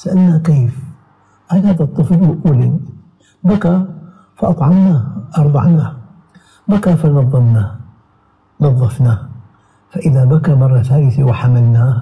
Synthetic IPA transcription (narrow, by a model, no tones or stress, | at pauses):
saʔalnakeːf | ʕalhaːðat̪ˤːɨflwɪʔuːli | baka | faʔɑt̪ˤʕɑmnaʔɑɾˤd̪ˤɑ̰ʕna | bakafanɑðˤːɑmna | nɑðˤːɑfna | faʔɪðabakamɑrˤːɑθaːlɪθiwɪħamalnaːh